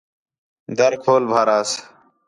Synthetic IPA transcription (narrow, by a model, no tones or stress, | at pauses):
d̪əɾkʰoːlbʱaːɾaːs